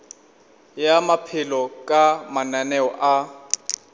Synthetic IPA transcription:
jamapʰɪlɔkʼamananɛɔʔa

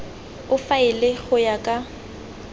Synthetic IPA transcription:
ʊfaɪlɪɣʊjakʼa

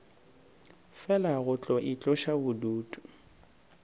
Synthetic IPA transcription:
fɛlaɣʊt͡ɬʼɔʔit͡ɬʼɔʃabʊduːtʼu̥

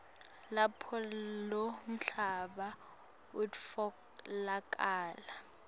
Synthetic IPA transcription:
lapʰɔlom̩ɬaɓa | udfɔ | lakʼaːla

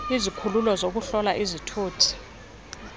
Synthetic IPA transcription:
izikʰululɔzok̬uɬɔlaʔizitʰuːtʰi̥

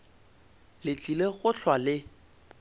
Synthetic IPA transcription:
lɪt͡ɬʼileɣʊɬʰwalɪ

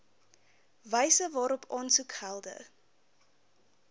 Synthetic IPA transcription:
vəjsəvɑːɾɔpʰɑːnsukhælˠdə̰

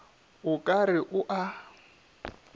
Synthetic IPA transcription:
ʊkʼarɪʔʊʔa

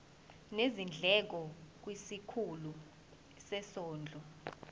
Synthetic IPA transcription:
nezind͡ɮʱɛk̬ɔk̬wisikʰulu | sɛsɔːnd͡ɮʱɔ

